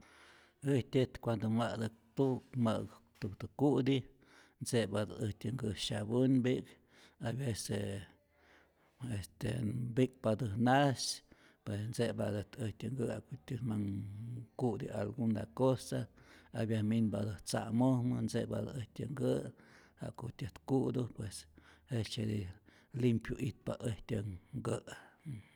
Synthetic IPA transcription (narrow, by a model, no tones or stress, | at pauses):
ɨht̪ʲet̪kʷand̪omad̪ɨt̪ukma̰ɡt̪ukt̪ɨkuʔd̪i | nsebad̪ɨhtʲɨŋɡɨʃabɨnbik | abese | est̪ḛbik̚bad̪ɨnas | pwesnsebad̪ɨt̪əht̪ʲɨŋɡɨakot̪ʲɨmaŋkud̪ialɡund̪akosaabjahminbad̪ɨht͡sa̰mohmɨnsebad̪əht̪ʲɨŋɡɨha̰ʔkot̪ʲɨht̪kud̪upweset͡ʃed̪i | limpjuʔit̪̚baʔeht̪ʲɨɡɨʔ